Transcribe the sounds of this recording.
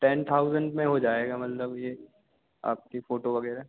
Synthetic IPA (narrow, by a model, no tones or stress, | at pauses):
ʈɛːnt̪ʰaːʊzəɳɖmẽɦod͡ʒaːeːɡamɐt̪ləbje | a̰ːp̚kefoːʈoʋɐɡɛːɾaɦ